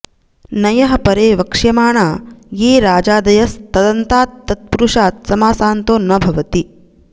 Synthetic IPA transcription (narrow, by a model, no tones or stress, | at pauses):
nɐjɐɦɐpɐɾeːʋɐkʂjɐmaːɳaːjeːɾaːd͡ʒaːd̪ɐjɐst̪ɐd̪ɐnt̪aːt̪ːɐt̪̚puɾuʂaːt̪̚sɐmaːsaːnt̪oːnːɐbʱɐʋɐt̪i